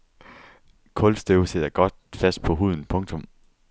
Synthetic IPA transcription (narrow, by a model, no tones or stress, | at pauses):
kʰɔ̽lsd̥øʊseð̰ˠɐɡ̥ɒ̽d̥fæsd̥̚pʰɒ̽ɦuð̞̰ˠn̩pʰɔ̽ŋt͡sʰɔ̽m